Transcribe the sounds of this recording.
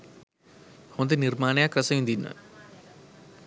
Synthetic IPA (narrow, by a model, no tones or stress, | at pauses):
hõnd̪enirmaːnejakrəsəjund̪inːə̰